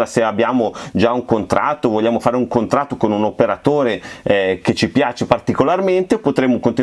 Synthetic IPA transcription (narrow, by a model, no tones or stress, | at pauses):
ɾaseabːjaːmod͡ʒauŋkont̪ɾʔa̰t̪ːovoʎːaːmofaːɾeuŋkont̪ɾat̪ːokonunopeɾat̪oːɾeɛket͡ʃːipjaːt͡ʃepart̪ikolarment̪eopot̪ɾemːokont̪i